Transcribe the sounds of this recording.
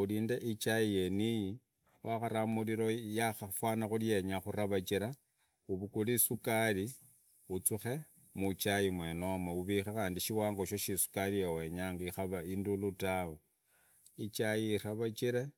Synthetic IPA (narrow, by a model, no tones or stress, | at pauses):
uliːndeʔit͡ʃajijeniji | waxaɾamuliɾo̞jaxafwaːnaxulje̞ɲaxuɾaβat͡ʃiɾa | uβukulisukali | ut͡suxe̞ | mut͡ʃajimwenomauβixexaːndiʃiwaːŋɡo̞ʃoʃisu̥kalijewe̞ɲaŋɡaixaβaindulutawo | it͡ʃajiːraβat͡ʃiɾe